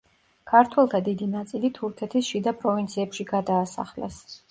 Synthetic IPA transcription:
kʰaɾt̪ʰwɛlˠt̪ʰad̪id̪inat̪sʼilit̪ʰuɾkʰɛt̪ʰisʃid̪apʼɾɔvint̪sʰiɛpʃiɡad̪aːsa̰χlɛ̰s

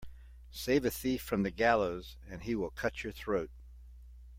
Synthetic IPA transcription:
seɪvɨθifɹʌ̃mðɨɡælˠoʊz | ɨ̃niwɪlˠkʰʌt͡ʃə˞θɹoʊt̚

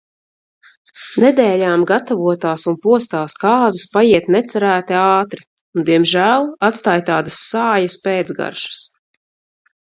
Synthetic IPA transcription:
nɛd̪ɛːlʲaːmɡat̪avuɔt̪aːsunpuɔst̪aːskɑːzɐspajiɛt̪nɛt̪sɛɾæːt̪iɑːt̪ɾi | und̪iɛmʒæːlˠat̪st̪aːjt̪aːd̪asːaːjaspɛːd̪zɡa̰ɾʃu̥s

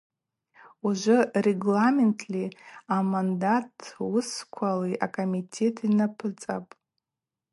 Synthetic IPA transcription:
uʒʷʊreɡlamentʰliamandatʰwʊskʷʰaleʔa̰kʰʼomitʰe̞tʰinapʰɨt͡sʼa̰pʼ

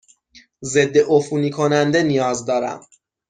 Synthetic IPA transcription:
ze̞d̪ːe̞ʔofuːniːkʰo̞nænd̪e̞nijɒːzd̪ɒːɾæ̰m

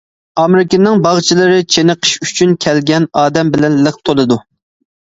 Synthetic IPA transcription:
ɑmɾɪkʲinːɪŋbɑʁt͡ʃʰilˠɨɾɨt͡ʃʰenɨqʰə̥ʃyt͡ʃʰynkʲʰɛlɡʲɛnɑːd̪ɛmbɪlɛnləχ̚t̪ʰolˠɨd̪u

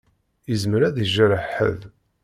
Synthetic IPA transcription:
əzməɾæðiʒəɾəħə̰ð

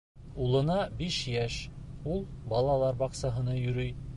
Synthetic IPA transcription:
ulˠɤ̆nɑbiʃjæʃulˠbɑlˠɑlˠɑɾbɑqsɑɦɤ̆nɤjɵ̆ɾɵj

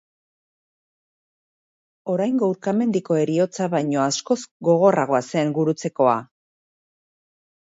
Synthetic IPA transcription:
o̞ɾajŋɡouɾkame̞nd̪iko̞e̞ɾio̞t͡saβajɲo̞asko̞zɡo̞ɣ̞o̞raɣ̞o̞ase̞ŋɡuɾut͡se̞ko̞a

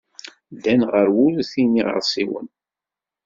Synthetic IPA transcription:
ðænʁəɾwʊlθiniʁə̰ɾsˤiwə̰n

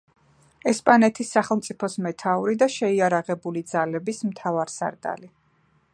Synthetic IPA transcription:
ɛspʼanɛt̪ʰisːaχɛlˠmt̪sʼipʰɔsmɛt̪ʰauɾid̪aʃɛiaɾaʁɛbulid̪z̥alɛbismt̪ʰavaɾsa̰ɾd̪ʼa̰li

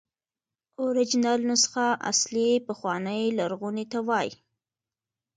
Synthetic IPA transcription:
oɾɪd͡ʒɪnɑlnosə̥xaʔa̰slipəxwɑnəjlaɾɣunet̪awɑj

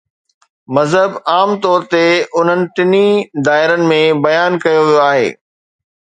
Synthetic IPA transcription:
mɐzɦəbaːmt̪ɔːɾt̪eʊn̤ənɪ̆ʈ̪ɪnid̪aːɪɾənɪ̆mẽbɐjaːnkɐjoʋijoaːɦḛː

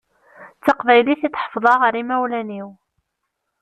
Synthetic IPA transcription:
t͡sːɑqvæjliθitˤħə̥fðˤɑʁəɾimæwlæniw

